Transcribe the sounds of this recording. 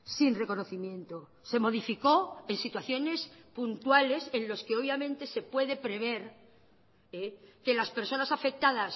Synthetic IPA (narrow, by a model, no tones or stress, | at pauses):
sinre̞ko̞no̞θimjẽ̞nt̪o | se̞mo̞ð̞ifiko̞ensit̪waθjo̞ne̞spunt̪wale̞se̞nlo̞skeo̞βjamẽ̞nt̪e̞se̞pwe̞ðe̞pɾe̞β̞e̞ɾ | eke̞laspe̞ɾso̞nasafe̞k̚t̪aðas